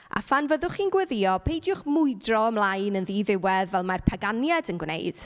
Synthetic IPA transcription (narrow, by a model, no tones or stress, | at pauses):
a̰fanvəðʊχiːnɡwɛðijɔpʰejdjʊχmʊɨdrɔəmlˠajnənðiðɪwɛðvɛlˠmarpʰaɡanjadənɡwnḛjd̥